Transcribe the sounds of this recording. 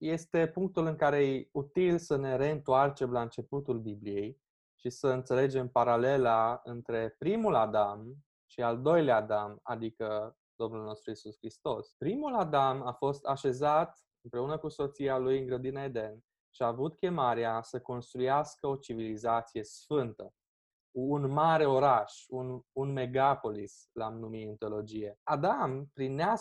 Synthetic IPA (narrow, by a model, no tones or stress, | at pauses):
je̞st̪e̞puŋk̚t̪ulɨŋkaɾe̞jut̪ilsəne̞ɾe̞ɨnt̪oart͡ʃe̞mlaɨnt͡ʃe̞put̪ulbiblije̞j | ʃisəɨnt̪se̞le̞d͡ʒe̞mpaɾale̞laɨnt̪ɾe̞pɾimulad̪am | ʃiald̪o̞jleaːd̪ama̰d̪ikə | d̪̥o̞mnulno̞st̪ɾuisuskɾist̪o̞spɾimulad̪amafo̞st̪aʃe̞zat̪ | ɨmpɾe̞unəkuso̞t̪sialujɨŋɡɾəd̪inae̞d̪e̞n | ʃiaːvut̪kʲe̞maɾeasəko̞nst̪ɾujaskəo̞t͡ʃivilizat̪sije̞sfɨnt̪ə | unmaɾe̞o̞ɾaʃununme̞ɡapo̞lis | lamnumiɨnt̪olo̞d͡ʒije̞ad̪ampɾinea